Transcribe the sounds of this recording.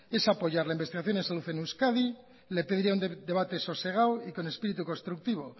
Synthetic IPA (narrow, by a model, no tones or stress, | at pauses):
e̞sapo̞ʝaɾlaimbe̞st̪iɣaθjo̞nensaluθe̞nuskaði | le̞peðiɾiaund̪e̞β̞at̪e̞so̞se̞ɣ̞awiko̞ne̞spiɾit̪uko̞st̪ɾuk̚t̪iβ̞o̞